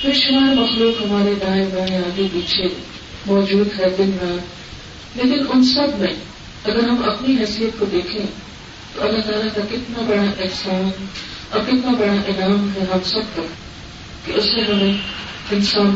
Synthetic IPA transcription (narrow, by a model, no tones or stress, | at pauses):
pɪɾʃʊmaːmɐxluːkɦɐmaːɾed̪aːẽbɐɽ̃ẽaːɡebiːt͡ʃʰe | mɔːd͡ʒuːd̪ɦɛːd̪ɪnɦɐa | leːkɪnʊnsɐbmẽ | ɐɡəɾɦɐmɐpniɦɛːsijət̪̚kod̪eːkʰẽ | t̪oʔɐlːaɦt̪aːlakakɪt̪nabɐɽ̃aʔɪsaːn | ɔɾkɪt̪nabɐɽaʔɪlaːmɦɛɦɐmsɐb̚ka | keʔʊsnẽɦɐmẽɪnsaːn